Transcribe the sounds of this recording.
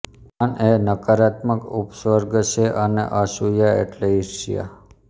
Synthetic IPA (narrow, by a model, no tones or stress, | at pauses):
anenəkaɾat̪məkupswəɾɡt͡ʃʰeʔənḛʔaʃujaḛʈleiʃḭja̰